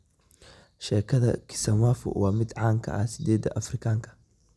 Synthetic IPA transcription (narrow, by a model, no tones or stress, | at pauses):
ʃɛːkʰɐðɐkʰɪ̥sɐmwaːfʊ̰wɑːmɪd̪ʕɑːŋkʰɐ̰ʔɐsɪd̪ɛːd̪ɐ̰ʔɐfrɪkʰaːŋkʰɐ̥